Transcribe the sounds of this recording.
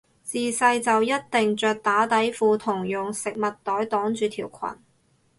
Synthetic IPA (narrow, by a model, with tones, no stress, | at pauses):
t͡siː˨˧sɐ˧jt͡sɐ˨wjɐ˥t̚t̪ɪ˨ŋt͡ʃœː˨˧k̚t̪aː˨˥t̪ɐ˨˥jfuː˨t̪ʰʊ˨˩ŋjʊ˨ŋsɪ˨k̚mɐ˨t̚t̪ːɔː˨˥jt̪ɔː˨˥ŋt͡ʃyː˨˧t̪ʰiː˨˩wkʷʰɐ̰˨˩n